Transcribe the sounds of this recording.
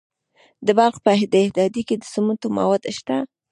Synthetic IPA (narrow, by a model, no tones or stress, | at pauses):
d̪əbɑqpəɪhd̪ehd̪ɑd̪iked̪əsumunt̪oma̰wɑd̪ʃt̪a